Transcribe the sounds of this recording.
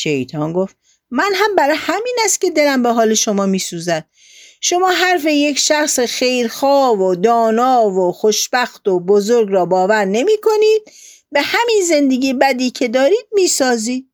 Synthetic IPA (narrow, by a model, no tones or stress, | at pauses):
ʃejt̪ʰɒːnɡoft̪ | mænɦæmbæɾɒːjhæmiːnæst̪̚ce̞d̪e̞læmbeɦɒːle̞ʃo̞mɒːmiːsuːzæd̪̥̚ | ʃo̞mɒːɦæɾfe̞jecʰʃæxsexejɾxɒːvod̪ɒːnɒːvoxoʃb̥æxt̪obozoɾɡɾɒːbɒːvæɾne̞miːkʰo̞niːd̪̚ | be̞hæminze̞nd̪e̞ɡiːbæd̪iːcʰe̞d̪ɒːɾiːd̪̥̚miːsɒːziːd̪̚